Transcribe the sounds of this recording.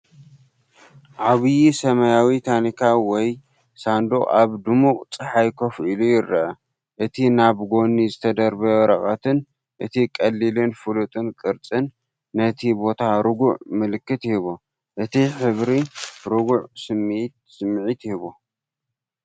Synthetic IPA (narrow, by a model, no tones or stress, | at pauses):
ʔʕaβɨjisɐmɐjawit̪ʰanikʰawɔj | sand̪o̰ʔaβd̪ɨmuqʼt͡sʼɨħajkʰofilujɪɾɐʔɐ | ʔɨt̪ʰinaβɡo̞nizɨt̪ʰɐd̪ɐɾbɐɾɐχʼɐt̪ʰɨn | ʔɨt̪ʰikʼɐlːilɨnfɨlut̪ʼɨnkʼɨɾt͡sʼɨnː | ɐt̪ʰibo̞t̪ʰaɾɨɡʊʕmɨlɨkːɨt̪jɪhiβo | ʔɨt̪ʰiħɨβɾiɾɨɡuʕsɨmt̪sɨmːʕit̪jɪhiβo